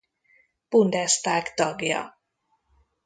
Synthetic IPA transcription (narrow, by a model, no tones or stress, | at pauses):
b̥und̪ɛst̪aːkt̪ɒɡjɒ̰